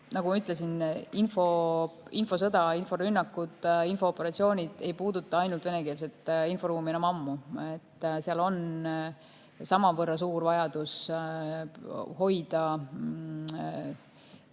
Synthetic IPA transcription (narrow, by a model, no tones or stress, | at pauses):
nɑkɡumɑyt̪ˑlesininfo̞info̞s̬ɤd̪̥ɑinfo̞ɾynːɑkːud̪̥info̞ːpːˑeɾɑt̪sio̞ːnʲid̪̥e̞jpuːd̪̥ut̪ːˑɑɑjnult̪ve̞ne̞keːls̬e̞t̪ːˑinfo̞ɾuːmienɑmɑmːue̞t̪ːseɑlo̞n | sɑmɑvɤrːɑsuːɾvɑjɑd̪us | ho̞jd̪̥ɑ